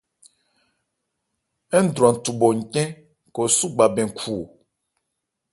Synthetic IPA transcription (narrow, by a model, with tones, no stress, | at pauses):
ɛ˦n̩˦d̪ɾu˨ã˨n̩˨tu˨bo˨ŋ̩˨kɛ̃˦ | ko˨su˦ɡ͡ba˨bɛ̃˨ŋ̩˨kʰu˨